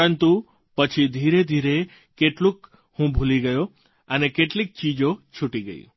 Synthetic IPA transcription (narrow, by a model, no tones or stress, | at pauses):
ənt̪u | pət͡ʃʰid̪ʱiɾed̪ʱiɾe | keʈlũk | hũbʱuliɡəjo | ənekeʈlik̚t͡ʃid͡ʒot͡ʃʰuʈiɡə̰ḭ